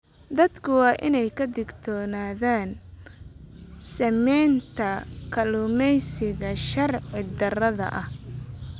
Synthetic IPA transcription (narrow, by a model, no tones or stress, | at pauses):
d̪ɐd̪kʰʊwɑːʔɪnɛjkʰɐd̪ɪɡt̪ʰɔːnaːðaːn | sɐmɛjnt̪ʰɐkʰɐlʊmɛjsɪɣɐʃɐrʕɪd̪ɐrɐðɐ̰ʔɐh